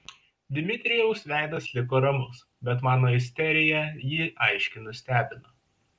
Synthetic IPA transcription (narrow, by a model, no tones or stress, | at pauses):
d̪ʲɪmʲɪt̪ʲɾʲɪjɛʊsʋʲæˑɪd̪ɐslʲɪkoːɾɐmʊs | bʲɛt̪mɑːnoːɪsʲt̪ʲɛɾʲɪjɛjɪʔɐɪʃʲkʲɪnʊsʲt̪ʲæːbʲɪnoː